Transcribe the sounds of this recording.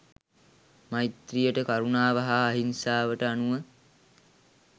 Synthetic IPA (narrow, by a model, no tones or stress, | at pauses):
majt̪rijəʈəkaɾunaːʋaɦaːɦinsaːʋəʈəanuʋə